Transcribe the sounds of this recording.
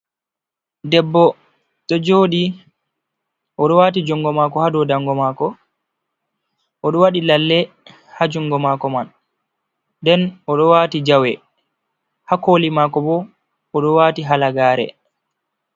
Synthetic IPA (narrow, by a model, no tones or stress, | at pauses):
dɛbːɔ | ɗɔd͡ʒoːɗi | ʔɔɗɔwat̬id͡ʒɔŋɡɔmaːkɔhadɔdaŋɡɔmaːkɔ | ʔɔɗɔwaɗilalːɛ | had͡ʒɔŋɡɔmaːkɔman | dɛnɔɗɔwaːtid͡ʒawɛ | hakoːlimakɔbɔ | ɔɗɔwatiɦalaɡaːɾɛ̰